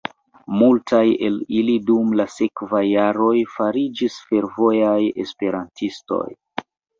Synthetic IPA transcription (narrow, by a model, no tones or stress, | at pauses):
multaje̞̰lilidumlase̞kvajːaɾo̞jfaɾid͡ʒisfe̞ɾvo̞jaje̞̰spe̞ɾantisto̞̰j